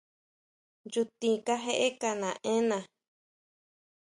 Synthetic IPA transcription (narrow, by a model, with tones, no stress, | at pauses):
ju˧t̪ĩ˨ka˦ɦe˦ʔe˦ka˧nã˨ʔẽ˦nã˨